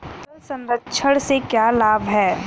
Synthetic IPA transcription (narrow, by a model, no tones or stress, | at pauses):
t̪əlsɐ̃nɾətːt͡ʃʰəɽ̃sekjaːlaːbɦɛː